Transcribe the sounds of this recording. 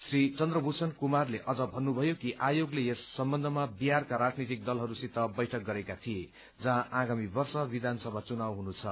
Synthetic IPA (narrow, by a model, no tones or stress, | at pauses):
srit͡sʌnd̪rʌbʱusʰʌnkumarleʔʌd͡zʌbʱʌnːubʱʌjokiʔajoɡleesːʌmbʌnd̪ʱʌmabiɦarkaɾad͡znit̪ik̚d̪ʌlɦʌɾusit̪ːʌbʌjʈʰʌk̚ɡʌɾekat̪ʰije | d͡zãaɡamibʌrsʌbid̪ʱansʌbʱat͡sunawɦunut͡sʰʌ